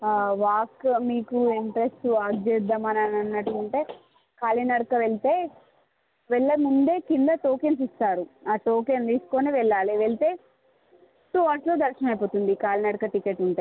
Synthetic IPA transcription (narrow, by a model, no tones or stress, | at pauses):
aʋaːkmiːkuiɳʈɾesʈuaːɡd͡ʒed̪ɐmɐnɐnɐnːɐʈːuːɳʈe̞ː | kaːlinɐɾkɐʋeɭt̪eː | ʋɛɭːɐmund̪e̞ːkind̪ɐʈ̪oːkensist̪aːɾuaːʈ̪oːkend̪iːsu̥ko̞ːniʋɛɭːaːliʋeɭit̪e̞ː | ʈuʋaːʈlo̞ːd̪ɐɾʃɐnɐmɐjpo̞ːt̪und̪ikaːlinɐɾkɐʈikeʈːuɳʈaː